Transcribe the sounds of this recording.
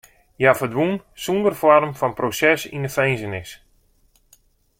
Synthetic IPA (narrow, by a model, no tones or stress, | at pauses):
jafədʋunsundərfɔrmfɔnprosɛsḭnəfejnzənɪs